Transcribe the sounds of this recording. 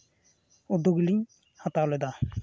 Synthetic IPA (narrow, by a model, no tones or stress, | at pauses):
ud̪ːoɡliɲ | hat̪alojd̪a